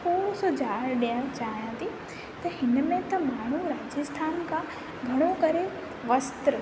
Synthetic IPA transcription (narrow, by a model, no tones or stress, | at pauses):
poːsʊd͡ʑʱaːɽɗijə̃t͡ɕaːɦijãːt̪ʰi | t̪ɐhɪnmẽt̪ɐmaːɳ̤̃uɾaːd͡ʑəst̪ʰaːnkʰã | ɡʱɐɽ̃okɐɾe | ʋɐst̪ɾə